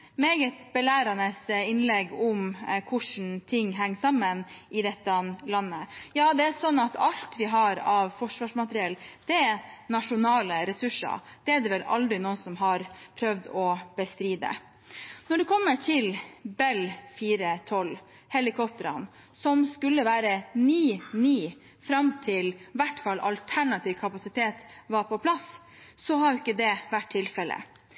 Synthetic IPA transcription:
meːɡət̪bɛlæːɾɑnəsɪnlɛɡʊmkʰʊʂn̩t̪ʰɪŋːɦæŋːsɑmːənʔɪd̪ɛt̪ːənlɑnːəjɑːd̪ɛæsɔnːɑt̪ɑlt̪ʋɪɦɑɾɑʋfɔʂʋɑʂmɑt̪əɾɪɛld̪̥ɛɛnɑʂʊnɑːləɾɛsʉʂə̰ɾd̪̥ɛːæd̪ɛʋɛlɑ̰ld̪ɾɪnoːəsɔmɦɑɾpʰɾœʋd̪ɔb̥əst̪ɾiːd̪ə̰ | nɔɖʉkʰɔmːəʈʰɪlbɛlfiːɾət̪ʰɔl | hɛlɪkʰɔp̚t̪əɾɑ̰n | sɔmskʉlːəʋæːɾənyːniː | fɾɑmt̪ʰɪlʋæʈːfɑlːʔɑ̰lt̪ʰæɳɑt̪ʰiːʋkʰɑpɑsɪt̪ʰeːt̪ʋɑɾpʰɔpʰlɑsː | ɔhɑɾjʊɪkːəd̪ɛʋæʈʰːɪlfɛlə̰

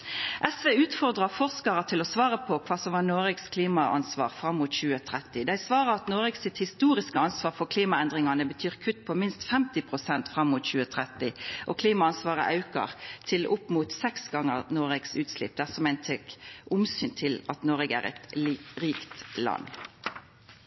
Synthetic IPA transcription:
ʔɛsʋeːʉːt̪fɔʁd̪ʁɑfɔʁskɑʁət̪ʰɪlɔsʋɑːʁəpʰɔkʰʋɑːsɔmʋɑːnoːɾɛɡskʰliːmɑʔɑ̰nsʋɑ̰ːʁfʁɑmːuːt̪çʉːət̪ʰɾɛt̪ːɪd̪æɪsʋɑːʁəɾɑt̪noːɾɛɡsɪt̪hɪst̪uːɾɪskəɑnsʋɑːʁfɔʁkʰliːmɑɛnd̪ʁɪŋɑnəbət̪ʰyːʁkʰʉt̪ːpʰɔmɪnst̪fɛmt̪ɪpʰʁʊsɛnt̪fʁɑmːuːt̪çʉːət̪ʰʁɛt̪ɪʔɔkʰliːmɑɑnsʋɑːʁə̰ʔɑʉkɑ̰ʁt̪ʰɪlʔʊpːmuːt̪sɛksɡɑŋːəʁnoːʁɛɡsʉːt̪slɪ̰p̚ːd̪æʁsɔmæɪnt̪ʰɛkʊmsyːnt̪ʰɪlɑt̪noːʁɛɡæ̰ʁɛ̰t̪ːʁiːkt̪lɑ̰nː

